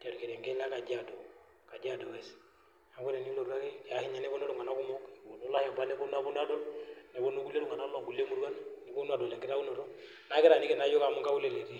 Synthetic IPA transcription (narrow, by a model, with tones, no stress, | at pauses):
d͡ʒa˨ɾke˨ɾɛ˨ŋɡɛ˦la˦ka˨d͡ʒa˨do˨ | ka˨d͡ʒa˦do˨wɛ˦s | a˨ku˦ɾe˨ni˦lo˨ɾu˦a˦kɛ˦a˨ki˦ɲa˦nɛ˦bɔ˦no˦ɾu˨ŋa˨na˦ku˦mɔ˦ko˨no˦la˦jɛ˨mba˦nɛ˦bo˦nu˦a˦bu˦n˦a˦dɔ˦nɛ˨bɔ˦no˦ku˦lːe˦du˨ŋa˨na˦a˨ŋɡu˨le˦mu˦ɾwa˦nni˨˦bu˦nu˦a˨do˨lɛ˨ŋɡɪ˦ta˦u˦no˨ɾɔ˦ | na˦kɪ˦ɾa˨ni˦kɛ˨na˨˦jo˦ka˨˦mu˦ŋɡa˦u˦le˦˨le˨ɾi˦